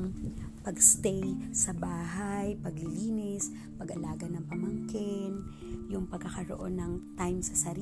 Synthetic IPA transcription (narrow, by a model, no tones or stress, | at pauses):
ŋpɐɡst̪ɛjsɐbaːɦajpɐɡlɪliːnɪs | pɐɡɐlaːɡɐnɐŋpɐmɐŋkɪn | jʊŋpɐɡ̚kːɐkɐɾo̰ʔo̞nːɐŋt̪ajmsɐsɐɾi